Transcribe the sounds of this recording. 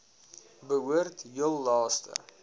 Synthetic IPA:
bəɦuərtjəlˠːɑːstə̰

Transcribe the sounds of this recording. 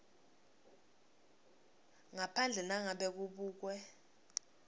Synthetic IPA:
ŋapʰand͡ɮʱɛnaŋaɓɛk̬uɓuːk̬wɛ

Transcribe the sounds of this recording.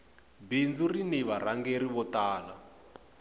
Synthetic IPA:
bind͡zuriniβaraŋɡeɾiβɔtaːla

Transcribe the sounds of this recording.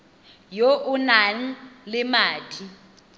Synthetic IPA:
joʔʊnan̩lɪmaːtʰi

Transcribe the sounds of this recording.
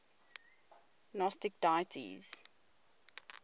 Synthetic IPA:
nɔstɪk̚dajətʰḭz̥

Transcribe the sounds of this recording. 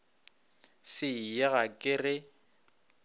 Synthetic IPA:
sɪjaɣakʼɪrɪ

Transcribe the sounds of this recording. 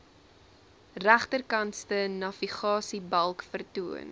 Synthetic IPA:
ræχtərkɐnstənɐviχɑːsibɐlˠkfərtuən

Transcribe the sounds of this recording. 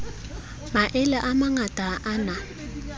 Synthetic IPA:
maʔɪlɛʔamaŋatʼaʔana

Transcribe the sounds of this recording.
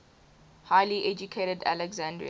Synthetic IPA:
haɪliʔɛd͡ʒukʰeɾədæ̰lɛɡzãndɹḭ

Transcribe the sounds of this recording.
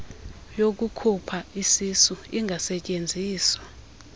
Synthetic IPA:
jok̬ukʰupʰaisisuiŋʱasɛcʼend͡zʱiːswḁ

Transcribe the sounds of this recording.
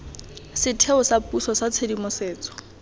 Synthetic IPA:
sɪtʰeʊsapusɔsat͡sʰedimʊseːt͡sɔ̥

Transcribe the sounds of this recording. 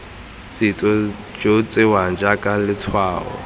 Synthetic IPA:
t͡sʼɪt͡sʼɔ | d͡ʒot͡sʼɪwand͡ʒakʼalɪt͡sʰwaːɔ̰

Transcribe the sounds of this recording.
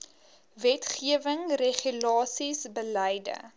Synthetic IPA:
vɛtχiəvəŋreχylɑːsisbəlɛjdə̰

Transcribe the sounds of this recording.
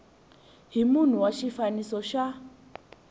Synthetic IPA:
ɦimun̤uwaʃifanisɔʃa

